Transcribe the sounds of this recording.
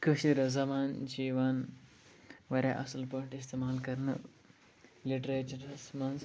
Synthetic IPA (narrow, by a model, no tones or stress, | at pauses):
kɨʃiɾɐzɐmaːnd͡ʒiːʋaːn | ʋɐɾaʔɐsɐlpoɳʈist̪eːmaːlkɐɾnɨ̰ | liʈɾeːt͡ʃɐɾɐsmɐns